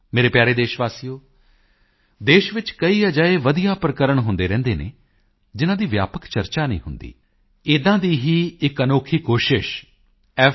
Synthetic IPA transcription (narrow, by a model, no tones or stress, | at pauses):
meːɾeːpjaːɾeːd̪eːʃʋaːsiːjoː | d̪eːʃʋɪt͡ʃkəiːəd͡ʒaːeːʋəd̪ijaːpɾəkəɾəɳɦʊ̃nd̪eːɾɛ̃ːnd̪eːnḛː | d͡ʒɪnãːd̪iːʋjaːpəkt͡ʃəɾt͡ʃaːnəḭ̃ːɦʊnd̪ḭː | ɪd̪ãːd̪iːɦiːɪkənoːkʰiːkoːʃɪʃ | ɛ